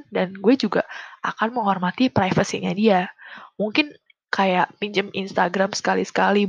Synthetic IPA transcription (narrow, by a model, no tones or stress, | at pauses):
danɡuɛd͡ʒuɡaʔa̰kanməŋɦɔrmat̪ipɾajfəsiɲadiamuŋkɪn | kajaʔpiɲd͡ʒəminst̪aɡɾamsə̥kalisə̥kali